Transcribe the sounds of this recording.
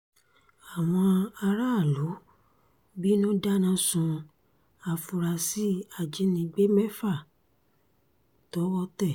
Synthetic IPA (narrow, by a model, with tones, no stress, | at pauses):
a˨w̃ɔ̃˧a˧ɾa˦˨lo˨˦ | bi˦nũ˦da˦nã˧˦sũ˧ | a˧fu˧ɾa˧si˦a˨d͡ʒi˨˦nĩ˧ɡ͡be˦mɛ˦fa˦˨ | tɔ˨˦wɔ˦tɛ˦˨